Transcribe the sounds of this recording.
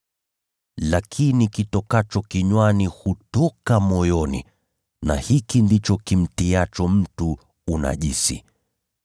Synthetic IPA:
lakʰinikitɔkat͡ʃɔkiɲwanihutɔkamɔjɔnḭ | na̰hikindit͡ʃɔkim̩tiat͡ʃɔm̩tuː | na̰ʄisḭ

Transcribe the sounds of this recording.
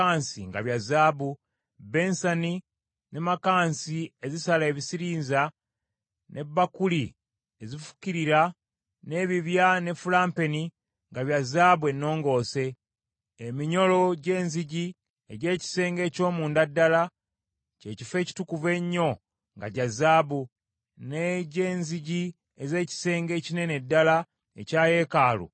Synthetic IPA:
aːnsiŋɡaβjazaːβu | be̞nsani | ne̞makaːnsie̞zisale̞βisiɾiːnza | nʔe̞bːakuli | ezifu̥ciɾiɾa | ne̞ːβiβjane̞fulaːmpe̞ni | ŋɡaβjazaːβwe̞nːo̞ːŋɡo̞ːse̞ː | miɲo̞lo̞ɟe̞ːnziɟi | eɟe̞ːci̥se̞ːŋɡe̞ːco̞ːmuːndadːala | ce̞ːcife̞ːci̥tukuve̞ɲːo̞ | ŋɡaɟazaːβu | neɟe̞ːnziɟi | eze̞ːci̥se̞ːŋɡe̞ːcine̞ne̞dːala | ḛcaːje̞ːkaːlṵ

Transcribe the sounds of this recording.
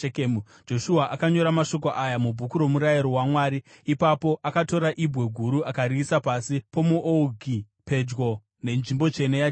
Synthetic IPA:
kːmu | d͡ʒo̞ʃuaʔakaɲo̞ɾamaʃo̞k̬o̞ʔajamubʱukuɾo̞muɾajiɾowamwaːɾi | ipapo̞ʔakato̞ɾaʔibʱwe̞ɡʱuɾuakaɾiːsapasipo̞muʔouɡʱi | pe̞d͡ʒɡo̞ | ne̞nʐimbo̞t͡ʃe̞neja

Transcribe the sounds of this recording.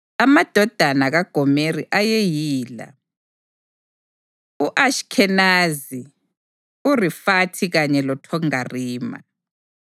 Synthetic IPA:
amad̥ʱɔd̥ʱanaɣaɡ̥ʱɔmeriʔajejiːla̰ | uʔaʃkʰɛnazi | urifatʰiɣaɲɛlɔtʰɔŋariːma̰

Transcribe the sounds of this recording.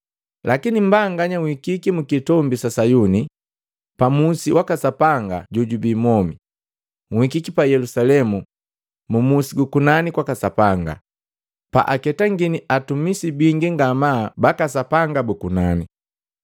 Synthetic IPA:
lʔakinim̩baŋɡaɲaŋikikimukitɔmbisasajuni | pamusiwʔakasapaŋɡaɟuɟubiːmɔmi | ŋikikipajɛlusalɛmu | mumusiɡukunanikwakasapaŋɡa̰ | pa̰ʔakɛtaŋɡiniʔatumisibiŋɡiŋɡamaːbakasapaŋɡabukunani

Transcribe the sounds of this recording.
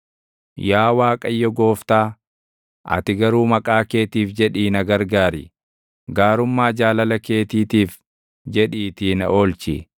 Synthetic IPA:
jaːwaːkʼɐjːɔɡoːft̪aː | ʔɐ̰t̪ɪɡɐɾuːmɐkʼaːke̞ːt̪iːfd͡ʒɛᶑiːnɐɡɐɾɡaːɾɪ̰ | ɡaːɾʊmːaːd͡ʒaːlɐlɐke̞ːt̪iːt̪iːf | d͡ʒɛᶑiːt̪iːnɐ̰o̞ːlt͡ʃi

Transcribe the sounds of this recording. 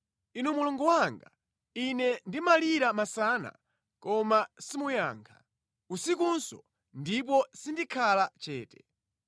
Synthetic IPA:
inumulɔŋɡɔwaŋɡa | inɛndimaliɾamasana̰ | kɔmasimujaːŋkʰa | usikunsɔ̰ | ndip̬ɔsindikʰalat͡ʃɛːtɛ̥

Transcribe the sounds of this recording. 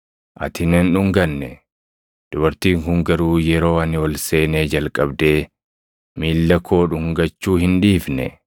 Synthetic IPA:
ʔɐ̰t̪ɪneːnᶑʊŋɡɐnːɛ | d̪̥ʊbɐɾt̪iːŋhʊŋɡɐɾuːjɛɾo̞ːɐnɪwɔlse̞ːneːd͡ʒɐlkʼɐbd̪e̞ː | miːlːɐkʰo̞ːᶑʊŋɡɐt͡ʃːuːhɪnᶑiːfnɛ̰

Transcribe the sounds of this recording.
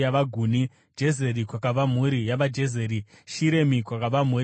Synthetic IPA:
jaʋaɡʱuːni | d͡ʒe̞ze̞ɾikwakaʋam̤uɾijaʋad͡ʒe̞zeːɾiʃiɾe̞mikwakaʋam̤u

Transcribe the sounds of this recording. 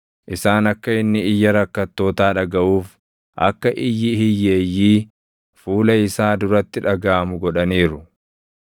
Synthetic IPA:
ʔɪsaːnɐkːɐɪnːɪɪjːɐɾɐkːɐt̪ːo̞ːt̪aːᶑɐɡɐʔuːf | ʔɐ̰kːɐʔɪjːɪhɪjːeːjːiː | fuːlɐɪsaːd̪ʊɾɐt̪ːɪᶑɐɡaːmʊɡɔᶑɐniːɾʊ

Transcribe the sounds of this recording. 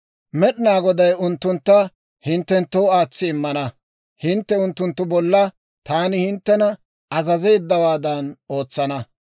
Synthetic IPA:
mɛɗɪnaːɡɔd̪ɐjʊnt̪ːʊnt̪ːɐ | hɪnt̪ːɛnt̪ːoːaːt͡sːɪːmːɐnɐ | hɪnt̪ːɛʊnt̪ːʊnt̪ːʊbɔlːɐ | t̪aːnɪhɪnt̪ːɛnɐ | ɐzɐze̞ːd̪ːɐwaːd̪ɐno̞ːt͡sːɐnɐ

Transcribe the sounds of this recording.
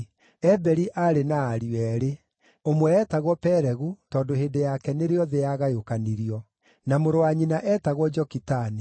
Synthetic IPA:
ɛbɛɾiʔaɾenaːɾiwɛːɾe | omwɛːtaɣwɔpɛɾɛɣutɔːndoɦeːndejakɛneɾeɔðejaɣajokaniɾiɔ | namoɾoaɲinaʔɛːtaɣwɔd͡ʒɔkitani

